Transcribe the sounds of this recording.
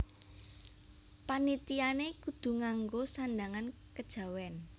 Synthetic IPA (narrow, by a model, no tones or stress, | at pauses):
panit̪ianekud̪̥ṳŋaŋɡosandaŋan | kəd̥ʒ̥a̤wɛn